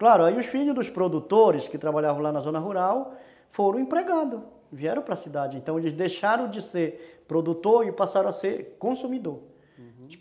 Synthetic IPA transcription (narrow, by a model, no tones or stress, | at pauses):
klaɾʊaiʊsfiʎʊzd̪ʊspɾod̪ut̪oɾɪskɪt̪ɾabaʎavɐ̃w̃lanɐzõnɐɦuɾaw | foɾɐ̃w̃ẽpɾeɡad̪ʊ | viɛɾɐ̃w̃pɾɐsid̪ad͡ʒɪẽnt̪ɐ̃w̃elɪzd̪ejʃaɾɐ̃w̃d͡ʒɪseɾpɾod̪ut̪oɾɪpasaɾɐ̃aseɾkõsumid̪oɾ